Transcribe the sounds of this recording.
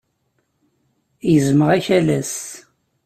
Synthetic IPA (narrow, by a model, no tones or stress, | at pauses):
jəzməʁæçælæs